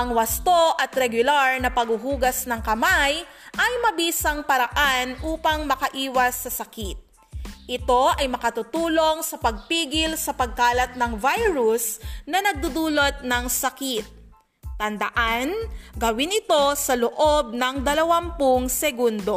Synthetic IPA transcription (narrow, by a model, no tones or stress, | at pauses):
ʔɐŋwɐst̪oʔɐt̪ɾɛɡʊlaɹnɐpɐɡʊɦuːɡɐsnɐŋkɐmaj | ʔɐjmɐbiːsɐŋpɐɾɐʔanʔuːpɐŋmɐkɐʔiːwɐsːɐsɐkit̪̚ | ʔɪt̪o̞ʔɐjmɐkɐt̪ʊt̪uːlo̞ŋsɐpɐɡ̚piːɡɪlsɐpɐɡ̚kaːlɐt̪̚nɐŋvajɾusnɐnɐɡ̚d̪ud̪uːlot̪̚nɐŋsɐkit̪̚ː | ɐnd̪ɐʔanɡɐwɪnɪt̪o̞sɐloʔo̞b̚nɐŋd̪ɐlɐwampʊŋsɛɡund̪o̞